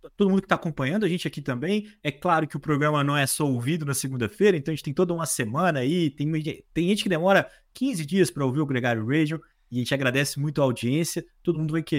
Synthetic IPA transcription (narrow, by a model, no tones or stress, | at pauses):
t̪od̪ʊmũd̪ʊkɪt̪akõpɐ̃ɲɐ̃nd̪ʊɐʒẽnt͡ʃɪakit̪ɐ̃mbẽj̃ɛklaɾʊkɪʊpɾoɡɾɐ̃mɐnɐ̃w̃ɛsɔowvĩd̪ʊnɐseɡũnd̪ɐfejɾɐẽɐ̃ɐẽt͡ʃt̪ẽj̃t̪od̪ɐũmɐsemɐ̃nɐait̪ẽj̃mũt̪ẽj̃ʒẽnt͡ʃɪ̥kɪd̪emɔɾɐ | kʰĩzɪd͡ʒiɐspɾɐowviɾʊɡɾeɡaɾjʊɾed͡ʒõ | ɪẽnt͡ʃɪaɡɾad̪ɛsɪmũj̃t̪ʊɐaawd͡ʒiẽsiɐt̪od̪ʊmũd̪ʊvajke